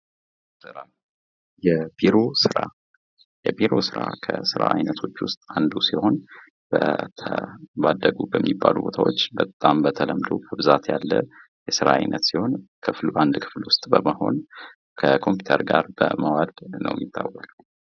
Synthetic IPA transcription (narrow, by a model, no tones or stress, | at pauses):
tɾam | jɛbiɾosɨɾa | jɛbiɾo̞sɨɾakʰəsɨɾa̰ʔajnət̪ʰo̞t͡ʃːwʊst̪ʼand̪usiho̞n | bət̪ʰəbad̪ːəɡubəmːibːalubo̞t̪ʰawo̞t͡ʃːbət̪ʼːambət̪ʰələmd̪o̞bəbɨzat̪jalːə | jɛsɨɾaajnʔət̪siho̞nkʰɨfluand̪kʰɨ̥flwʊst̪ʼbəməho̞n | kʰəkʰo̞mpjut̪ʰəɾɡaɾbəməwad̪nə̰wjɪt̪ʰːawːəkʼ